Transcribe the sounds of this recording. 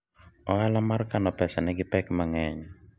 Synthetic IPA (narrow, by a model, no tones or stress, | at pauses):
ɔalamarkanɔpɛsanɪɡɪpɛkmaŋɛɲ